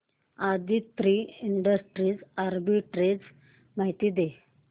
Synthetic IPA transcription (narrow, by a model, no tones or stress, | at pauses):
ad̪it̪ːɾiiɳɖəsʈɾiːd͡zaɾbiʈɾed͡z | maɦit̪iːd̪e